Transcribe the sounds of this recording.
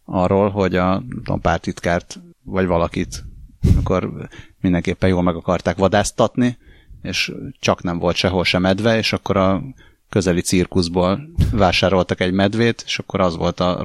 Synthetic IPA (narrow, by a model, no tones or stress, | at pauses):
ɒrːoːlɦo̞ɟɒnɛmt̪o̰mpa̰ːrt̪it̪kaːrt̪vɒɟʋɒlɒkit̪miko̞rmind̪ɛŋkeːpːɛnjoːlmɛɡɒkɒrt̪aːkʋɒd̪aːst̪ɒt̪nieːʃt͡ʃɒknɛɱvo̞lt̪ʃɛɦo̞lʃɛmɛd̪vɛeːʃɒkːo̞ɾɒ | kø̞zɛlit̪sirkuʒboːlvaːʃaːɾo̞lt̪ɒkɛɟmɛd̪ʋeːt̪e̥ːʃɒkːo̞ɾɒzʋo̞̰lt̪ɒ̰